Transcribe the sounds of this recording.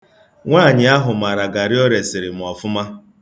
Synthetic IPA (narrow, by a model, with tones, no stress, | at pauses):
ŋʷaː˦˨ɲɪ˨˦a˦ɦʊ˨m˨a˨ɾa˨ɡa˨ɾɪ˦ɔ˦ɾe˨sɪ˨ɾɪ˨mʊ˨ɔ˨fʊ˦ma˦